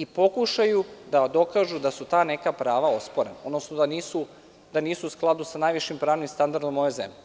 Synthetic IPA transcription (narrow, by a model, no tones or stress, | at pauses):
ipo̞kuʃajud̪ad̪o̞kaːʒud̪asut̪aːnekapɾaːʋao̞spoɾenaod̪nosnod̪aniːsu | d̪aniːsuːsklˠad̪usanajʋiʃimpɾaːʋnimst̪and̪aɾd̪omːojojzḛmʎʲe